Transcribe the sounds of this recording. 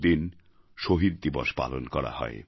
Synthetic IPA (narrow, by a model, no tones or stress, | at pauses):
d̪in | ʃoɦid̪̚d̪iboʃpa̰lonkɔɾa̰ɦɔ̰e